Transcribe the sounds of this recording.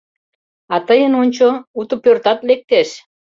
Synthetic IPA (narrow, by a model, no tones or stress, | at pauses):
ɑt̪əjənonʲt͡ɕout̪əpørt̪ɑt̪lek̚t̪eʃ